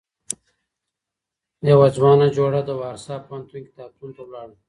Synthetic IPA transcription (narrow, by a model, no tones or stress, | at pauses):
jawazwɑnad͡ʒoɽad̪əwɑɾsɑpant̪uŋki̥t̪ɑt̪ult̪awlɑɽu